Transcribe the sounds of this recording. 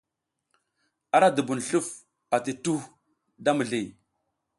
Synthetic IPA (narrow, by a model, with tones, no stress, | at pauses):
a˨ɾa˦də˨bu˨n˨ɬu˦f | a˨ti˨tu˦ | da˦mə˨ɮi˨j